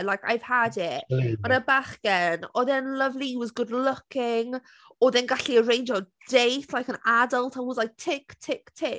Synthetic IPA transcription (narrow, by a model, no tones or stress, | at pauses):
lajka̰jv̥hadɪtmanəbaχɡ̥ɛnɔðɛnləvliwɔzɡʊdlʊkɪŋ | ɔðɛnɡaɬiəɹẽjnd͡ʒɔ | d̥ejθlajkənadəlˠtʰawɔzlajk̚tʰɪktʰɪktʰɪ